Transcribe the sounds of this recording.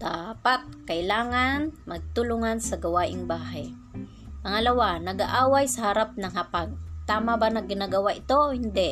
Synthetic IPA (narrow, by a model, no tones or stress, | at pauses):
d̪̥aːpat̪̚kɐʔɪlaːŋanmɐɡ̚t̪ʊlʊŋansɐɡɐwaːʔɪŋbaːɦaj | mɐŋalɐwanɐɡaʔaːwajsɐhaɾap̚nɐŋhapaɡ̚t̪aːmabanɐɡɪnaɡɐwaʔɪt̪ohɪnd̪ɛ